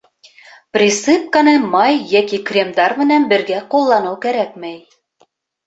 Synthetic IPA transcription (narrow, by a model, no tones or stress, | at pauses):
prʲisɨp̚kɑnɤmɑjːækikrʲemd̪ɑɾmɘ̆nænbɘ̆ɾɡæqulˠːɑnɤwkæɾæk̚mæj